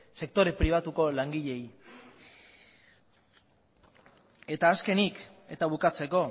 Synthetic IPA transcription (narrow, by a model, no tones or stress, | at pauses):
se̞k̚t̪o̞ɾe̞pɾiβ̞at̪uko̞laŋɡiʎe̞j | e̞t̪aːske̞nike̞t̪aβ̞ukat͡se̞ko̞